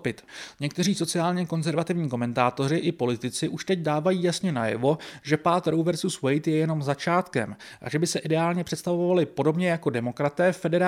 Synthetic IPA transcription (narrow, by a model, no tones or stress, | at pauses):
pɪt̪ɲɛkt̪ɛriːso̞t͡sɪaːlɲɛko̞nzɛɾvat̪ɪvɲiːko̞mɛnt̪aːt̪o̞rɪʔɪpo̞lɪt̪ɪt͡sɪʔuʃt̪ɛcdaːvajiːjasɲɛnajɛ̰vo̞ʒɛpaːt̪ɾowvɛɾsuːswɛjt̪jɛjɛno̞mzat͡ʃaːt̪kɛ̰m | ʔa̰ʒɛbɪsɛʔɪdɛaːlɲɛpr̝̥ɛt̪st̪avoovalɪpo̞do̞bɲɛjako̞dɛmo̞kɾat̪ɛːfɛdɛɾa